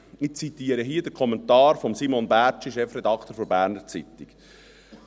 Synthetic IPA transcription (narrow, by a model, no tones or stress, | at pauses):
ɪt͡sit̪iːəɾəɦiəd̥̪əɾkʰɔmɛnt̪ɑːɾfɔmsimɔnbæːt͡ʃiʃɛfɾɛd̪ɑkʰt̪əɾfɔɾbæːɾnəɾt͡sḭt̪iɡ